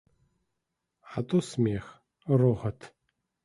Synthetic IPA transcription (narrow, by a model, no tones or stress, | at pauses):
ħat̪ʼosmeːx | roʁɐtʰ